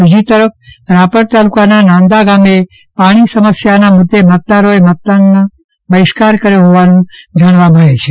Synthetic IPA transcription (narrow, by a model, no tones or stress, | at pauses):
bid͡ʒit̪əɾəf̚ʰɾapəɾt̪alukananãnd̪aɡame | paɽ̃isəməsjanamʊd̪ːemət̪̚d̪aɾoemət̪̚d̪anːa | bəɪʃkaɾkəɾjoɦoʋanũd͡ʒəɽ̃ʋaməɽet͡ʃʰe